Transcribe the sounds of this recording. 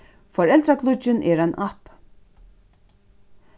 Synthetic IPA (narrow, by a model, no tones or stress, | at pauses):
fɔɾɛlt̪ɾakʰlʊt͡ʃːɪnʔɛɾanʔap